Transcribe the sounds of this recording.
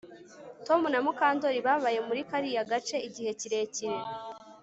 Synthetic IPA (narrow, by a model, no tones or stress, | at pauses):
to̞munamukaːndo̞ɾiβaβaje̞muɾikaɾijaɡat͡ʃe̞iɟihe̞ciɾe̞ciɾe